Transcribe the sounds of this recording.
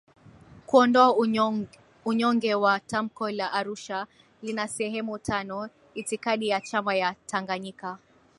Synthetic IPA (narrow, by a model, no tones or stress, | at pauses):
kuɔndɔa | uɲɔŋɡɛwatam̩kɔlaʔaɾuʃa | linasɛɦɛmutʰanɔ | itikaɗijat͡ʃamajatʰaŋɡaɲika